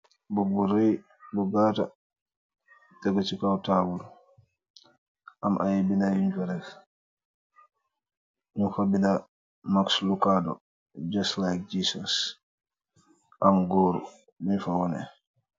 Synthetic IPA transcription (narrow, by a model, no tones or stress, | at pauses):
bubuɾej | bɔɡata | tɛɡɔt͡ʃikawtabul | ʔamʔajibinajuɲd͡ʒɛɾɛf | mifabina | makslukadɔ̰ | d͡ʒastlajk̚d͡ʒisɔs | ʔamɡoːɾṵ | minfawɔnɛ̰